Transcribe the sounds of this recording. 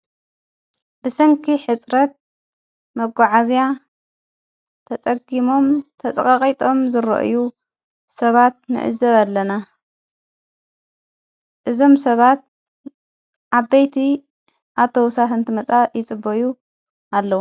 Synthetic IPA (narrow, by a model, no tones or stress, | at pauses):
bɨsɐŋkʰiħɨt͡sʼɾɐt̪̚ | mɐɡʷaʕazja | t̪ʰɐt͡sʼɐɡimo̞mt̪ʰɐt͡sʼɐkʼɐqʼit̪ʼo̞mzɨɾɐ̰ʔɨ̰ju | sɐβat̪̚nɨ̰ʔɨ̰zɐβalːɐna | ʔɨzo̞msɐβat̪̚ | ʔaβːɐjt̪ʰi | ʔat̪ʰo̞wsat̪ɨnt̪ʰɨmɐt͡sʼajɪt͡sʼɨboju | ʔalːɐwu